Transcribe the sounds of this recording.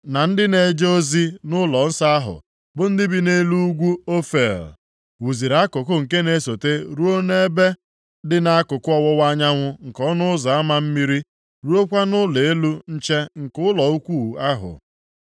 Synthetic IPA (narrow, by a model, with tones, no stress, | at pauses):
na˨n̩˦dɪ˦ne˨d͡ʒo˦zi˦nʊ˦lɔ˨n̩˦sa˦a˦ɦʊ̰˨ | bʊ˦n̩˦dɪ˦bi˦ne˦lu˦u˦ɡʷu˦o˦fe˨l | wu˨zi˨ɾa˦kʊ˨kʊ˦ŋ̩˨ke˦ne˦so˨te˦ɾu˦o˦ne˦e˦be˦ | dɪ˨na˦a˦kʊ˨kʊ˦ɔ˦wɔ˦wa˦ɲa˦ŋʷʊ˦ŋ̩˨kɔ˦nʊ˦ʊ˦za˨a˦ma˦m̩˦mi˦ɾi˦ | ɾu˦o˦kʷa˦nʊ˦le˨e˦lu˦n̩˦t͡ʃe˦ŋ̩˨kʊ˦lɔ˨u˦kʷu˦˨a˦ɦʊ̰˨